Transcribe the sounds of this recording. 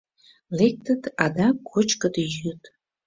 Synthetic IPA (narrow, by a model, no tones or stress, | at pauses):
lek̚t̪ə̆t̪ɑd̪ɑkʰot͡ʃkə̆d̪əjyt̪